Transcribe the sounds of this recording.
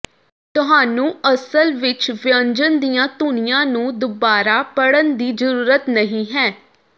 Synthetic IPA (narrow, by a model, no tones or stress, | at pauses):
t̪ʊɦaːnũːəsəlʋɪt͡ʃʋɪəɲd͡ʒənd̪ijãːt̪uːnijãːnũːd̪ʊbaːɾaːpəɽənd̪iːzəɾuːɾət̪nəɦĩːɦɛː